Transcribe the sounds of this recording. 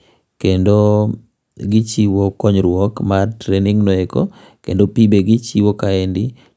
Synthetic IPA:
kendo | ɡɪt͡ʃiwokɔɲɾwɔkmatɾeniŋnoeko̰ | kḛndopibeɡɪt͡ʃiwokaendi

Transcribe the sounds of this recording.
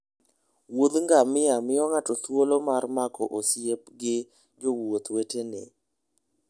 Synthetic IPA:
wod̪ŋɡamɪamɪɔŋatɔt̪wolomarmakɔʔosjep̚ɡɪ | d͡ʒowot̪wetenḛ

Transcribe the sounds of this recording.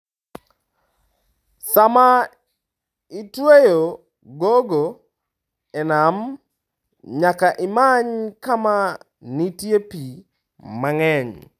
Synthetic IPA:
sama | itwejo | ɡoɡo | ɛnam | ɲakaʔɪmaɲkama | nitjepi | maŋɛɲ

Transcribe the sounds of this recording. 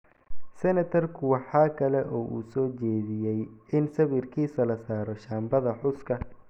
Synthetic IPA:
sɛnɐt̪ʰɐrkʰʊwɑħɑːkʰɐlɛʔɔːʔṵːsɔːt͡ʃɛːðɪjɛjɪnsɐβɪrkʰiːsɐlɐsaːɾɔʃaːmbɐðɐħʊskʰɐ

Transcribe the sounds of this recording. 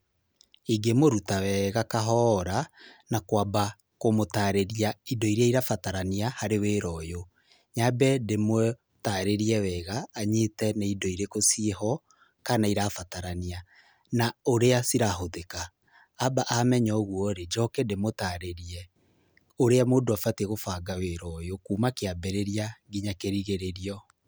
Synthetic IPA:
iɡemoɾutawɛɣakaɦɔːɾanakwaba | komotaːɾeɾiaidɔiɾeaiɾafataɾaniahaɾeweːɾɔjo | ɲabɛdemwɛ | taɾeɾiɛwɛːɣaːɲetɛneidɔiɾekosieɦɔ | kanaiɾafataɾania | naoɾeasiɾaɦoðekaː | baʔamɛɲɔɣwɔɾed͡ʒɔkɛdemotaɾeɾiɛ | oɾeamoːdoafateɣofaɡaweɾɔjokuːmakeabɛɾeɾiaɡiɲakeɾiɣeɾeɾiɔ

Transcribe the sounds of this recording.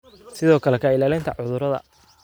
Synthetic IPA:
sɪðɔːkʰɐlɛkʰɐɪlaːlɪnt̪ʰɐʕʊðʊɾɐðɐ̰

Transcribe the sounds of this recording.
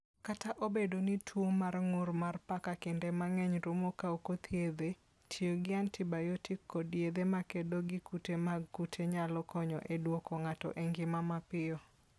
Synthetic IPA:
kataʔobedonitʰwomarŋʊrmarpakakɪndɛmaŋɛɲɾʊmokaokot̪ʰjed̪e | tʰioɡɪantɪbajotɪkʰːɔdjed̪emakedoɡɪkutemaɡkutʰeɲalɔkʰɔɲɔ̰ʔedwokɔŋatɔ̰ʔeŋɡɪmamapɪɔ

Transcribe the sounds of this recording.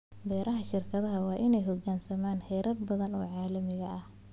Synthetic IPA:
bɛːɾʔɐɦɐʃɪrkʰɐðɐɦɐwɑːʔɪnɛjɦɔɡaːnsɐmaːnhɛːɾʔɐrbɐðɐnɔ̰ːʕɑːlɐmɪɣɐʔɐh

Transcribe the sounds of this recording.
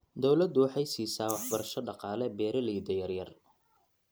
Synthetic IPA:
d̪ɔwlɐd̪ʊwɑħɑjsiːsaːwɑħbɐɾɐʃɔɖɑqɑːlɛbɛːɾɐliːd̪ɐjɐrjɐr

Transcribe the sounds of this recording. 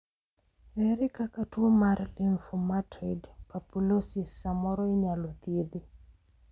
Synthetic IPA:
ɛɾikakatuomaɾlinfumatʰidpapulosisːamɔɾɔiɲalot̪idi

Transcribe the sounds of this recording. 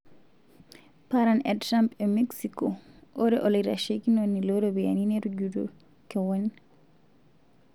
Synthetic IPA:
paɾanɛdɾampɛmɛksikɔʔɔɾɛʔɔliɾaʃekinɔnːilɔɾɔbɛja̰ninɛɾud͡ʒudɔ̰ | kɛwɔn

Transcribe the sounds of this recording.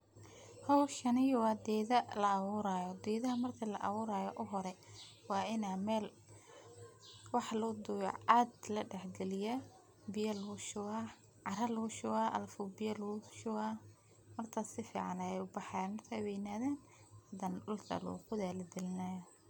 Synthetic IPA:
hɔwʃɐnɪjwɑd̪ɛːðɐlɐːβʊːɾaːjɔd̪ɛːðɐɦɐmɐrt̪ʰɐlɐʔɐβʊːɾaːjɔʔʊɦɔɾɛwɑːɪnamɛːl | wɑħlɔːd̪ʊjɔ̰aːd̪lɐɖɛħɡɛlɪjɐ | bɪjɐluʃʊɣa | ʕɑɾɐlʊʃʊɣaʔɐ̰lfʊbɪjɐluʃʊɣa | mɐrt̪ʰɐsɪfḭːʕɑ̰nɐɛjʊbɑħɑjaːnmɐrt̪ʰɐβɛjɪnaːðɛːn | hɐd̪ɐnɖʊlt̪ʰɐ̰lṵːqʊðaːlɐd̪ɪlɪnajɔ

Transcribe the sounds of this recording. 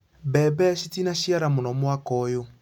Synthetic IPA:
bɛbɛʃitinaʃiaɾamonɔmwakɔːjo

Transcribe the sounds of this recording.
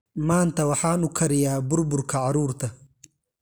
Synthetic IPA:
maːnt̪ʰɐwɑħaːnʊkʰɐɾɪjaːbʊrbʊrkʰɐʕɑɾuːɾt̪ʰɐ

